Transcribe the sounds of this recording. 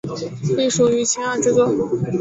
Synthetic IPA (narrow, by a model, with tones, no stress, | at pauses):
pi˥˩ʂu˨˩y˧˥t͡ɕʰɛ˥a˥˧nʈ͡ʂɻ̩˥˧t͡swɔ˥˩